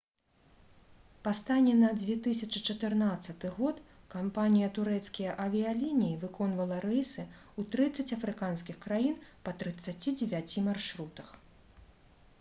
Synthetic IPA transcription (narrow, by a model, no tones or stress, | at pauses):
past̪anʲɛnɐd͡zʲvʲɛt̪ɨsʲɐt͡ʂɨt͡ʂɐt̪ɨrnat̪sɐt̪ɨɣɔt̪ | kampanʲijɐt̪uɾɛt̪skʲijɐʔɐvʲialʲinʲijivɨkɔn̪vɐlˠɐɾɛjsɨut̪ɾɨt̪sːɐt͡sʲɐfɾɨkanskʲixkɾajinpɐt̪ɾɨt̪sːat͡sʲid͡zʲɛvʲat͡sʲimarʂɾut̪ɐx